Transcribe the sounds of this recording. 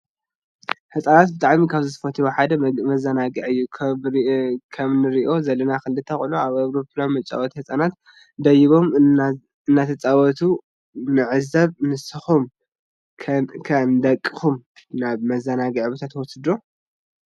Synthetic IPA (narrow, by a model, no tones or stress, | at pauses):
hɨt͡sʼanat̪̚bɨt̪ʼaʕmikʰaβzɨt̪ʰɨ̥fɐt̪ʰiboħad̪ɐmɐzɐnaɡɨʕɨjːukʰ | kʰɐmnɨɾiʔo̞zɐlɐnakɨlːɨt̪ʰɐxʔɨloaβawɾopʰlanmɐt͡ʃʼa̰wɔt̪ihɨt͡sʼanat̪ | d̪ɐjiβo̞m | ɨnːat̪ʰɐt͡sʼawɔt̪ʰu | nɨʕɨzɐβnɨsɨxumʰ | kʰɐnd̪ɐkʼːɨ̥xumnaβmɐzɐnaɡɨʕbɐt̪ʰat̪wɔsɨd̪o